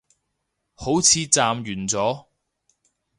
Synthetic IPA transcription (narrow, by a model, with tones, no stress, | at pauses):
ho˨˥wt͡sʰiː˨˧t͡saː˧mjyː˨˩nt͡sɔː˨˥